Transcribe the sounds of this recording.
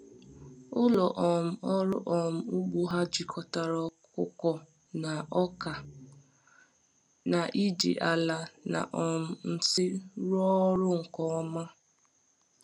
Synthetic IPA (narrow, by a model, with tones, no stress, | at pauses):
ʊ˦lɔ˨ʔɔ˨m̩˦ɔ˦ɾʊ̰˦ʔɔ˨m̩˦u˦ɡ͡bu˦ɦa˦d͡ʒi˨kʰɔ˨ta˨ɾɔ˨kʊ̰˦kɔ˨ | na˨ɔ˦ka˨ | na˨ʔi˦d͡ʒḭ˨ʔa˨la˨na̰˨ʔɔ˨m̩˦n̩˦sɪ˦ɾɔ˦ɾʊ˦ŋ̩˨kɔ˦ɔ˦ma˦